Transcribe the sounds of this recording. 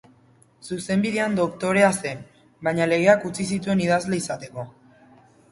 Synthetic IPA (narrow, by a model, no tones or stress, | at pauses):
suse̞mbiðe̞and̪o̞kt̪o̞ɾe̞ase̞n | bajɲale̞ɣ̞e̞akut͡sis̬it̪ue̞niðazle̞isat̪e̞ko̞